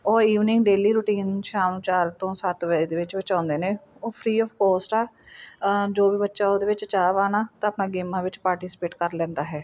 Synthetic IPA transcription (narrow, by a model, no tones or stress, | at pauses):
ɔːiːʋnɪ̃ŋɡɖeːliːɾʊʈiːnʃaːmt͡ʃaːɾt̪õːsat̪ʋɛiːd̪eːʋɪt͡ʃbət͡ʃãːnd̪eːnẽːoːpʰɾiːɔːfkɔːsʈaː | d͡ʒoːbiːbətːʃaːoːd̪eːʋɪt͡ʃt͡ʃaːʋaːnaːt̪ãːəpnãːɡeːmːãːʋɪt͡ʃpaːɾʈisɪ̥peːʈkəɾlɛ̃ːnd̪aːɦɛː